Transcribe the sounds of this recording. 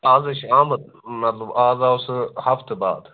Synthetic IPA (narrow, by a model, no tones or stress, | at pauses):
aːzɐʃaːmɐt̪̚ | mɐt̪lɐbaːzawsɨhɐft̪eba̰ːd̪